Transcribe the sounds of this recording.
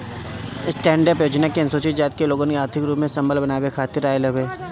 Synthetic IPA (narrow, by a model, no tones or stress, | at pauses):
ɪsʈɛ̃ːɳɖəɾpjoːd͡ʒnakiɐnsoːt͡ʃɪt̪d͡ʒaːt̪̚keloːɡõneaːɾt̪ʰɪkɾuːpmẽsɐ̃mbəlbɐnaːʋekʰaːt̪ɪɾaːjlɐbeː